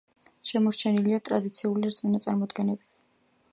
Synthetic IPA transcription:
ʃɛmɔɾt͡ʃʰɛniliat̪ʼɾad̪it̪sʰiuliɾt̪sʼminat̪sʼaɾmɔd̪ɡɛnɛbi

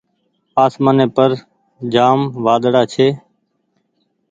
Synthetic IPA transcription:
aːsmaːnẽːpəɾ | d͡ʒaːmʋaːd̪ɽaːt͡ʃʰeː

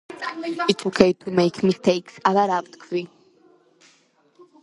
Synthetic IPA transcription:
ɪtsokʰeɪd̚tʰumeɪkʰmɪstʰeɪksaðəɾavt̪kʰvi

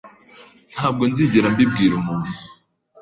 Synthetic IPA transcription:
n̥haːb̚ɡo̞nziɟeɾambib̚ɡiːɾumuːn̥u

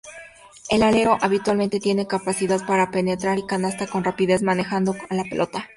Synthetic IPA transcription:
e̞lale̞ɾo̞ʔaβit̪walment̪e̞t̪je̞ne̞kapasiðaðpaɾape̞ne̞t̪ɾaɾikanast̪ako̞nrapiðe̞zmane̞xand̪o̞alape̞lʔo̞t̪a

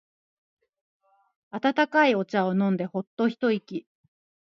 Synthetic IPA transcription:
at̪at̪akaio̞t͡ɕao̞nõ̞nd̪e̞ho̞t̪ːo̞çi̥t̪o̞ikʲi

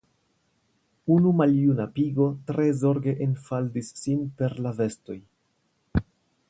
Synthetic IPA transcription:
unumaljunapiɡo̞tɾe̞zo̞ɾɡe̞ʔenfaldisːinpe̞ɾlave̞sto̞j

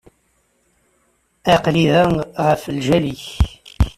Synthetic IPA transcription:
æqliðəŋʁəfəlʒæliç

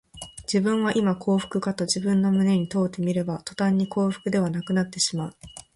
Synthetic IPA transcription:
d͡ʑ̥ibɯ̟̃ɰ̃βaʔimakʰo̞ːɸɯ̥kɯ̟kat̪o̞ʑibɯ̟̃nːo̞mɯ̟ne̞ɲ̟it̪o̞ːt̪ːe̞mʲiɾe̞bat̪o̞̥t̪ãɲ̟ːiko̞ːɸɯ̟̥kɯ̟d̪e̞βanakɯ̟nat̪ːe̞ɕimaɯ̟

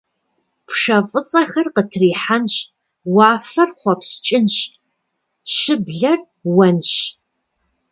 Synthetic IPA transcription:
pʰʂɐfʼɨt͡sʼɐxɐrqətʰriːħanɕ | wɑːfɐrχʷɔpst͡ʃʼɪnɕ | ɕɪbɮɐr | wɐnɕ

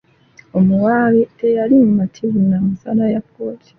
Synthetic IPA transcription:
omuwaβitejaɾiɲumatʰivunamusaɾajapoti̥

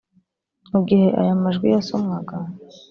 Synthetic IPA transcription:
ubɡihe̞ʔa̰jamaʒɡwḭjasomŋaɡa

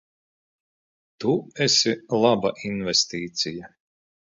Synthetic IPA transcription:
t̪uɛsʲilˠabaʔinvɛst̪iːt̪sʲija

